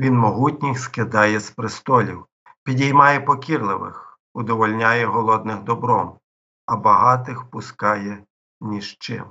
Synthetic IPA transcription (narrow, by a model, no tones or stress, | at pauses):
ʋʲinmɔɦutʲnʲixskɪd̪ɑjɛspɾɪst̪ɔlʲiw | pʲidʲijmɑjɛpɔkʲirlˠɪʋɪ̰x | ʊd̪ɔʋɔlʲnʲɑjɛɦɔlˠɔd̪nɪxd̪ɔbɾɔm | ɐbɐɦɑt̪ɪxpʊskɑjɛ | mʲiʃt͡ʃɪ̰m